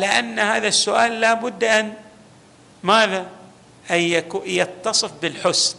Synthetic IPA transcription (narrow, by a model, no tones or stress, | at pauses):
ʕalaʔanːhaːðasːʊʔaːlːaːbʊd̪ːʔan | maːða | jakːjɑt̪ːɑsˤɨfbɪlħʊs